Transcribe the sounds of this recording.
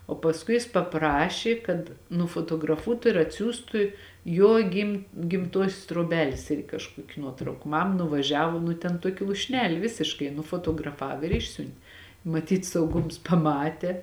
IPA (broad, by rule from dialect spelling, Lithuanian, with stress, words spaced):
oː pɐsˈkʊɪ jɪs pɐˈprɑːʃʲeː kɐt nʊfoːtoːɡrɐˈfuɔtʊ ɪr ɐtʲˈsʲuːstʊ ˈjoː ɡʲɪm ɡʲɪmˈtuɔsʲoːs truɔˈbʲæːlʲeːs ˈɪrʲɡʲɪ kɐʃˈkuɔkʲɪ ˈnuɔtrɐʊkɐ ˈmɐm nʊʋɐˈʒʲæːʋoː ˈnʊ tʲɛn ˈtuɔkʲɛ lˠuːʃʲˈnʲæːlʲɪ ˈʋʲɪsʲɪʃkɐɪ nʊfoːtoːɡrɐˈfɐw ɪr ˈɪʃʲsʲʊnʲtʲ mɐˈtʲiːt sɐʊˈɡʊms pɐˈmɑːtʲeː